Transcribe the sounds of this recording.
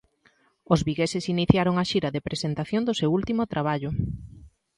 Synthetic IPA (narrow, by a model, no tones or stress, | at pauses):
ozβiɣesɪsiniθjaɾoŋaʃiɾɐðepɾʔesent̪aθjond̪ʊsewult̪imʊt̪ɾaβaʎʊ